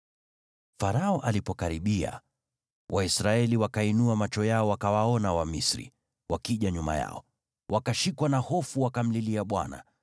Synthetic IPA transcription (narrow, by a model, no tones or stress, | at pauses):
faɾaɔʔalipɔkaɾiɓia̰ | wʔaisɾaɛliwakainuamat͡ʃɔjaɔwakawaɔnawamisɾḭ | wʔakiʄaɲuma̰ja̰ɔ | wʔakaʃikwanahɔfuwakam̩liliaɓwa̰na̰